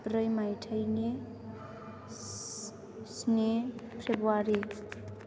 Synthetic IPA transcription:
brʌjmajʈʰəjne | snepʰrebwaɾe

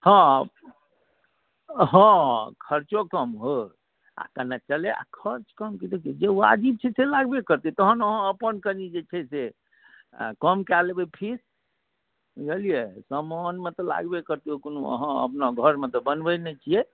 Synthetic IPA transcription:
hə̃ | ɦə̃kʰəɾt͡ʃokəmɦo | a̰kənat͡ʃəlea̰kʰəɾt͡ʃkəmkit̪ekid͡ʒea̰d͡ʒib̚t͡ʃʰɛselaɡbekəɾt̪it̪əɦənəɦə̃əpənkəɾnid͡ʒet͡ʃʰɛse | kəmkɛlebepʰiɾ | ɡelijesəmanmet̪ɔla̰ɡbekəɾt̪iokonoə̰ɦə̃ə̰pnaɡʱəɾmet̪ɔbənbənɛt͡ʃʰie

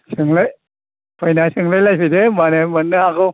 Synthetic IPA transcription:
sɯŋlɯj | pʰajnasɯŋlɯjlajpʰidemanemɐnːɯhakɯw

